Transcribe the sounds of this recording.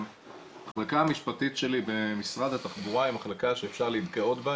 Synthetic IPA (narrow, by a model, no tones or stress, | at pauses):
aχlakaamiʃpatitʃe̞libe̞misʁad̪hat̪aχbuʁaimaχlakaʃeːfʃaʁleid̪ɡeot̪ba